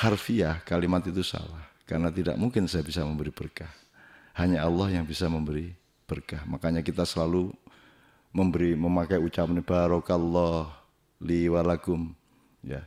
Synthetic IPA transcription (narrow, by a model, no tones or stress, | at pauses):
harfiakalimat̪it̪usa̰lahkaɾnat̪ida̰ʔ̚muŋkɪnsajabisaməmbəɾibərkah | haɲaalːɔhjaŋbisaməmbəɾi | b̥ərkahmakaɲakit̪asəlalu | məmbəɾiməmakajut͡ʃapnib̥aɾɔkalːɔh | liwalakʊm | ja̰